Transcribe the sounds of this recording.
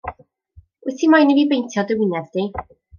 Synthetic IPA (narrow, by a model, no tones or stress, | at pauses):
wɪsimajnivibejntʰjɔdəwɪnɛðdi